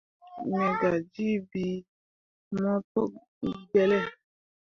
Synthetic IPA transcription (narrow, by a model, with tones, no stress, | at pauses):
ɲɔ̃˨ɡa˨d͡ʒi˦bi˦ | mɔ̃˦to˦ | ɡ͡bɛ˨lɛ˦˨